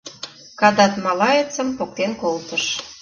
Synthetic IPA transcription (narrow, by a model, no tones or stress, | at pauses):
kɑd̪ɑt̪mɑlɑjet͡sə̆mpok̚t̪enkolt̪əʃ